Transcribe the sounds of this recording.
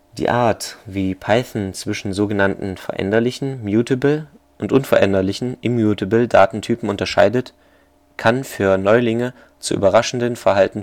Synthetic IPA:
d̥ḭːʔaːɐtv̥iːpʰaɪθn̩t͡sv̥ɪʃn̩zoːɡənantn̩fɛ̰ɐʔɛ̰ndɐlɪçn̩mjuːtəbl̩ | ʔʊntʔʊnfɛɐʔɛndɐlɪçn̩ʔɪmjuːtəbl̩da̰ːtn̩tʰyːpm̩ʊntɐʃa̰ɪdət | kʰanfyːɐnɔʏlɪŋə | t͡sṵʔy̰ːbɐʁaʃn̩dənfɛɐɦaltn̩

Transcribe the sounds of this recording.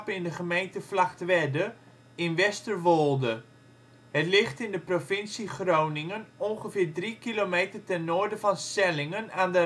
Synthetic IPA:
pɪndəχəmejntəflaktʋɛdə | ɪnʋɛstərʋolˠdə | hətlɪχtɪndəprofɪnsiχrownɪŋənɔnχəfɪːɹdrikilomeːtərtɛnːʊːɹdəvɑnstɛlɪŋənaːndə

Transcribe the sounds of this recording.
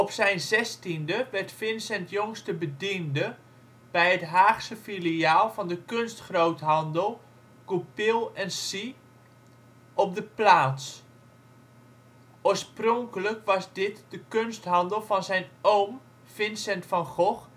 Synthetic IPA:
ɔpsɛjnzɛstindəʋɛrtfɪnsɛntjɔŋstəbədində | b̥ɛjɦətɦaːχsəfiliaːlˠvɑndəkønstχrowtɦɑndəlˠ | ɡ̥upɪlˠɛnsi | ɔp̚dəplaːts | ʔoːɹsprɔŋkələkʋɑsdɪtd̥əkønstɦɑndəlˠvɑnzɛjnowm | fɪnsɛntfɑnχɔχ

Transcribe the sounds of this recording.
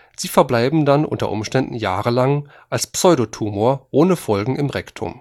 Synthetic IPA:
z̥iːfɛɐblaɪbm̩danʔʊ̰ntɐ̰ʔʊ̰mʃtɛndn̩jaːʁəlaŋ | ʔalspsɔʏɾotʰuːmoːɐʔoːnəfɔlɡŋ̩ɪmʁɛktʰʊ̰m

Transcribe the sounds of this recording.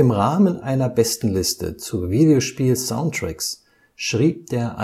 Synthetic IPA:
ɪmʁaːmənʔaɪnɐbɛstn̩lɪstə̰t͡suviːdeoʃpiːlzaʊntʁ̥ɛks | ʃʁ̥iːp̚d̥eːɐʔa̰

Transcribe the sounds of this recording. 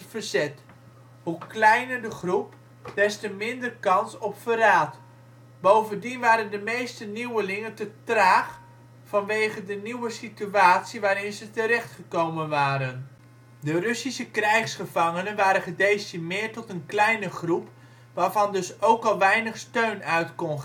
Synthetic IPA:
vərzɛt | ɦuklɛjnəɹdəχrup | d̥ɛstəmɪndərkɑnsɔpfəraːt | bowvəndinʋaːɾəndəmejstəniwəlɪŋəntətraːχ | fɑnʋejχədəniwəsityaːtsiʋaːɾɪnzətəɾɛχtχəkowmənʋaːɾən | dərɵsisəkrɛjχsχəvɑŋənənʋaːɾəχədejstimɪːɹtɔtənklɛjnəχrup | ʋaːɹvɑndɵsowkɑlˠʋɛjnəχstøɥnœɥtkɔn

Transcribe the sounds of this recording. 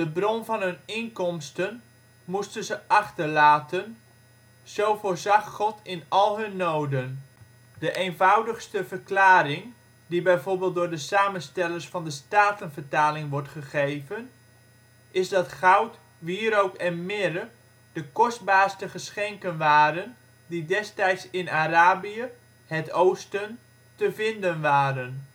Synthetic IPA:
dəbrɔnvɑnɦɵnɪŋkɔmstən | mustənzəʔɑχtərlaːtən | z̥owfoːɹzɑxːɔtʰɪnɑlˠɦɵnːowdən | dəʔeːnvawdəxstəvərklaːɾɪŋ | dibɛjvorbeːlˠt̚dʊːɹdəsaːmənstɛlərsfɑndəstaːtənvərtaːlɪŋʋɔɹtχəχejvən | ʔɪzdɑtχawt | ʋiːɾowkɛnmɪɾə | d̥əkɔsd̚baːrstəχəsχɛŋkənʋaːɾən | didɛstɛjtsɪnaɾaːbiə | hətowstən | təvɪndənʋaːɾən

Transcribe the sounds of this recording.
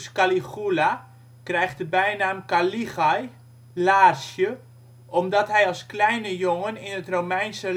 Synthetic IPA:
skalixula | krɛjxtəbɛjnaːmkalixɔj | laːrsjə | ʔɔmdɔtɦɛjɔlˠsklɛjnəjoŋənɪnətromɛjnsə

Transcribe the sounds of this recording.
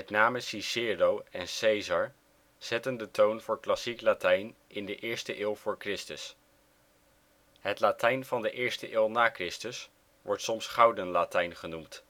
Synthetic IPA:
mɛtnaːməsisɪːrowɛnsejzɑɹ | z̥ɛtəndətownv̥ʊːɹklɑsiklatɛjn | ɪndəʔɪːɹstəʔɪːlˠv̥ʊːɹkrɪstəs | ɦətlatɛjnvɑndəʔɪːɹstəʔɪːlˠnaːkrɪstəs | ʋɔɹtsɔmsχɑwdənlaːtɛjnχənumt

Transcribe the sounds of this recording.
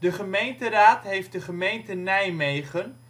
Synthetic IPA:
dəχəmejntəraːtɦejft̚dəχəmejntənɛjmejχən

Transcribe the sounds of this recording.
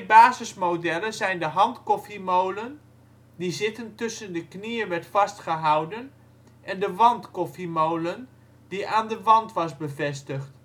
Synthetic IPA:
baːzəsmowdɛləzɛjndəɦɑntkɔfimowlən | dizɪtəntʏsəndəknijənʋɛɹtfɑstχəɦɑwdən | ʔɛndəʋɑntkɔfimowlən | d̥iʔaːndəʋɑntʋɑsbəvɛstəχt

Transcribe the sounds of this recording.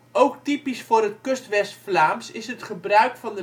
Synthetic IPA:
owktipisfʊːrɦətkøstʋɛstflaːmsɪsɦətχəbrœɥkfɑndə

